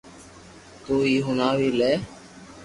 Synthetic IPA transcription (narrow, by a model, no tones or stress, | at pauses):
t̪uːiːɦʊnaːʋiːleː